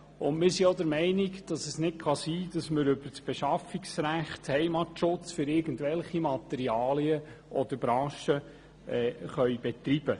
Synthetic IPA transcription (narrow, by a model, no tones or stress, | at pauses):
ʊnmɪɾsiod̪əɾmɛɪnikd̥ɑsəsnɪtχɑsiːd̥ɑsməɾʏbəɾsb̥ɛʃɑfːiksɾæχthɛɪmɑtʃʊt͡sfʏɾɪːɾɡəntvɛlχimɑt̪ɛɾiɑːliəʔɔd̥̪əɾbɾɑ̃ːʃə | ɛχœʏb̥ɛt̪ɾib̥ə